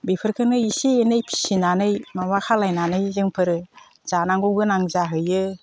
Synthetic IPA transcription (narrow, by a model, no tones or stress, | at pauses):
bipʰɯɾkʰɯnɯisienɯjpʰi̥sinanɯjmamakʰalajnanɯjzɯŋpʰɯɾɯ | z̥anaŋɡoɡɯnaŋzaɦɯjɯ